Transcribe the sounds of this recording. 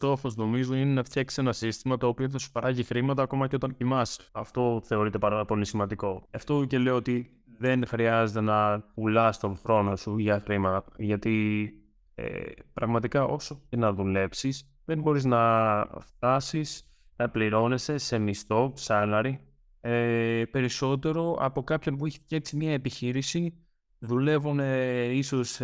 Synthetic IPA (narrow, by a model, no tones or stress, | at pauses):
t̪o̞fozno̞mizoine̞nɐft̪ʰçɐksi̥senɐsist̪imɐt̪o̞ːpioðesu̥pɐɾɐʝixɾimɐt̪ɐːko̞mɐceo̞t̪ɐncimɐsɐft̪o̞θe̞o̞ɾit̪epɐɾɐlopolinesimɐnd̪iko̞eft̪o̞ce̞le̞oot̪i | ðe̞nxɾiɐze̞t̪e̞nɐpulɐst̪o̞nxɾo̞no̞suʝɐxɾimɐt̪ɐʝɐt̪i | ḛpɾɐɣmɐt̪ikɐʔo̞so̞cenɐðule̞psis | ðe̞mbo̞ɾiznɐft̪ɐsis | nɐpliɾo̞ne̞se̞se̞mist̪o̞psɐlɐɾi | epe̞ɾiso̞t̪e̞ɾo̞ɐ̰po̞kɐpço̞npueçi̥cesimɲɐepiçiɾisi | ðule̞vune̞iso̞s